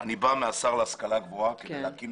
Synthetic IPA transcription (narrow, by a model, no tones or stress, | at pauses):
anibameasaʁleaskalaɡboakedeleakim